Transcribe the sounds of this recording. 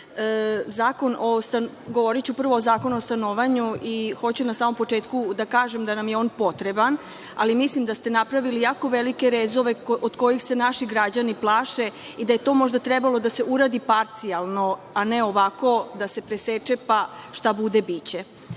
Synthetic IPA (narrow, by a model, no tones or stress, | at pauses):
əzaːko̞nʔost̪an | ɡo̞ʋo̞ɾit͡ɕupr̩ʋo̞ːzaːko̞nuost̪anoʋaɲuʔixo̞t͡ɕunasaːmo̞mpo̞t͡ʂe̞ːt̪kud̪akaːʒemd̪anamjeo̞ːnpo̞t̪ɾe̞ban | a̰limislimd̪ast̪e̞napɾaʋilijaːko̞ʋelike̞ɾezo̞ʋe̞od̪ko̞jixse̞naʃiɡɾad͡ʑaniplˠaːʃe̞id̪aje̞t̪o̞ːmo̞ʒd̪at̪ɾɛbalˠo̞d̪ase̞ʔuɾaːd̪ipaɾt̪sialˠno̞ | ane̞o̞ʋako̞d̪ase̞pɾeset͡ʃepaʃt̪abud̪e̞bit͡ɕe̞